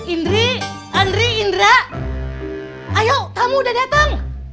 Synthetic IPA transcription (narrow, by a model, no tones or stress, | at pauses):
inɾi | anɾiːndɾaʔ | ajot̪amudadat̪aŋ